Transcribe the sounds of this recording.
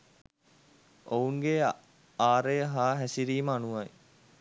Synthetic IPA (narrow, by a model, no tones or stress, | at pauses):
ouŋɡe | aːɾejəɦaːɦæsiɾiːməanuʋɐj